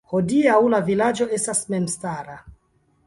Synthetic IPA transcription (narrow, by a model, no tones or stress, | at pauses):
ho̞diawlavilad͡ʒo̞e̞stasme̞mstaɾa